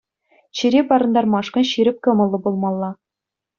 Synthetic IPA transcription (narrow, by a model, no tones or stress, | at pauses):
ɕĭɾʲepɑɾɤ̆nd̪ɑrmɑʂkɤ̆nɕiɾʲɘ̆p̚kɤ̆mɤ̆lˠːɤ̆bulˠmɑlˠːɑ